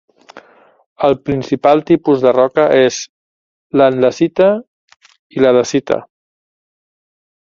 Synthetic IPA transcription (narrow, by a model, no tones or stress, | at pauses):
əlˠpɾinsipalˠt̪ipuzðərɔkəʔez | lənləsit̪ə | iləðəsit̪ə̰